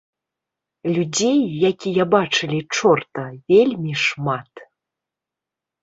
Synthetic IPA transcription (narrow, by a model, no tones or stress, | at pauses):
lʲud͡zʲejːakʲijabat͡ʂɨlʲit͡ʂɔrt̪ɐvʲelʲmʲiʂmat̪